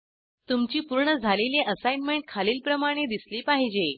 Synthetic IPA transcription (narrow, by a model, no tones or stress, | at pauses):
t̪umt͡ɕiːpuɾɳəd͡zʱaleleʔəsajnmeɳʈ̚kʰaliːlpɾəmaɽ̃ed̪isliːpaɦid͡ʑe